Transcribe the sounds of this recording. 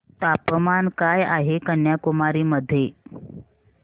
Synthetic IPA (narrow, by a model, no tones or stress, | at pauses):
t̪apəmankajaɦekənjakumaɾiːməd̪ʱːje